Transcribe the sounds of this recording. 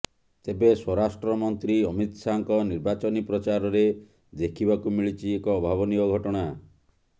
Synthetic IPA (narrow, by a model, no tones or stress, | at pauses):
t̪ebeswɔɾasʈɾɔmɔnt̪ɾiɔmit̪saŋkɔniɾbat͡ʃɔnipɾɔt͡ʃaɾɔɾe | d̪ekʰibakumiɭit͡ʃʰiekɔːbʱaβɔnikɔɡʱɔʈɔɽ̃a